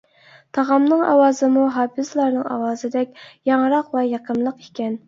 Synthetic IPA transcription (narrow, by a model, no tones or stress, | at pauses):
t̪ʰɑʁɑmnɨŋɑ̰wɑːzɨmuɦɑːpʰɨzlˠɑɾnɨŋɑ̰wɑːzɨd̪ɛkʲjɑŋɨɾɑqwɛjɑqʰəmlˠəqikʲɛn